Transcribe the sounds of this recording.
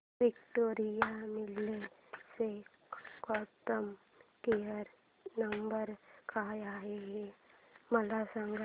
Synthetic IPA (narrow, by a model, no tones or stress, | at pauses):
ʋikʈoːɾijamɪlːese | kɔʈəm | keəɾ | nəmbəɾkʰaːjaːɦeɦeməlasãŋɡa